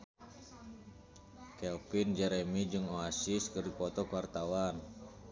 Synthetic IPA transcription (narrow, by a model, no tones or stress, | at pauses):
kɛlpind͡ʒɛɾɛmid͡ʒɨŋoasiskərdipɔt̪ɔkuwart̪awan